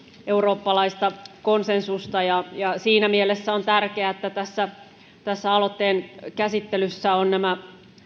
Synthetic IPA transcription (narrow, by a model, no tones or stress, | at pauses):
ʔeuroːpːɑlɑist̪ɑkonsensust̪ɑjɑjɑsiːnæmielesːæont̪ærkeæet̪ːæt̪æsːæ | t̪æsːæɑlot̪ːeːnkæsit̪ːelysːæonnæmæ